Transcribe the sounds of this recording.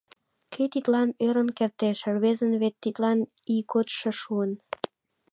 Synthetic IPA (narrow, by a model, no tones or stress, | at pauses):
kʰøt̪it̪lɑnøɾə̆nkert̪eʃerβezənβet̪ːit̪lɑn | ikot̪ʃeʃuən